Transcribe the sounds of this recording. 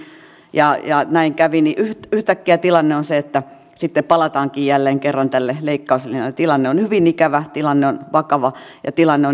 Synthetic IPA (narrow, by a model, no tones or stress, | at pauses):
jɑjɑnæiŋkæʋiniʔyht̪yht̪ækːiæt̪ilɑnːeonseet̪ːæ | sit̪ːeppɑlɑt̪ɑːŋkiːjjælːeːŋkerːɑnt̪ælːeleikːɑuselːent̪ilɑnːeonhyʋinikæʋæt̪ilɑnːeonʋɑkɑʋɑjɑ̰t̪ilɑnːeo